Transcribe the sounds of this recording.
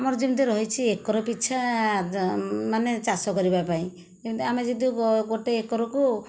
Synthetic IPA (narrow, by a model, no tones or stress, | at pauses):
amɔɾd͡ʒibid̪iɾɔɦit͡ʃʰiekɔɾɔpitːt͡ʃʰa | manet͡ʃasɔkɔɾibapaĩ | d͡ʒibd̪amed͡ʒɔd̪iɡoʈeekɔɾɔku